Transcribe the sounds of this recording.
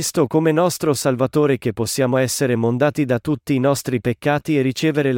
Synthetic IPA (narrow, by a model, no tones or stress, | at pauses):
st̪okomenɔst̪ɾosalvat̪oːɾek̟epːosːjaːmoɛsːeɾemond̪aːt̪id̪at̪ːut̪ːiːnɔst̪ɾipekːaːt̪ierːit͡ʃeːveɾel